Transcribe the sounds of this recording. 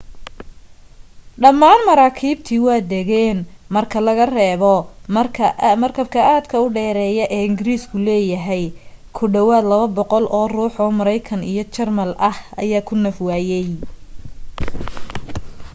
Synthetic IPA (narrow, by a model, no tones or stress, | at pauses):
ɖɐmːaːnmɐɾaːkʰiːbt̪ʰiːwɑːd̪ɛɣɛːnmɐrkʰɐlɐɣɐrɛːβɔɐrʰɐmɐrkʰɐb̚kʰɐʔaːd̪kʰɐʊɖɛːɾɛːjɐʔɛːɪŋɡɪɾiːskʰʊlɛːjɐɦɛjkʰʊɖɐwaːd̪lɐβɐbɔqɔlʔɔːruːħɔːmɐɾɐjkʰɐnijɞt͡ʃɛrmɐlʔɐhɐjaːkʰʊnɐfwaːjɛj